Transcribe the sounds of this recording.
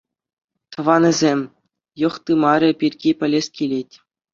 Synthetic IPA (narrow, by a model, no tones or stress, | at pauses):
t̪ɤ̆ʋɑnʲɘ̆zʲemʲ | jɤ̆χt̪ɯmɑɾʲɤ̆pʲirʲɡʲipʲɘ̆lʲesʲkʲilʲetʲ